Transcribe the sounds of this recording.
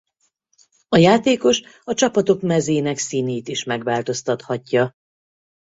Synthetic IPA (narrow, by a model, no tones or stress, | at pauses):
ɒjaːt̪eːko̞ʃ | ɒt͡ʃɒpɒt̪o̞kmɛzeːnɛksiːneːt̪iʃmɛɡʋaːlt̪o̞st̪ɒt̪hɒcːɒ